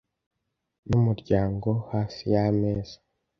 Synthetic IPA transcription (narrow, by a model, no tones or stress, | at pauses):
numuɾɟaːŋɡo̞haːsijameːz̥ḁ